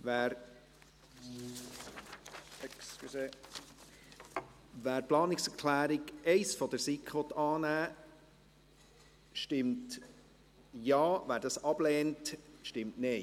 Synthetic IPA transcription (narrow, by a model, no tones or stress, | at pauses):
ʋæːɾ | ɛksse | ʋæːɾplɑːnɪksɛɾkʰlæːɾɪɡɛɪsfɔd̥̪əɾsikχʋɔt̪ɑːnæː | ʃtɪmt | jɑːvæːɾdɑsɑb̥lɛːntʃtɪmtneɪ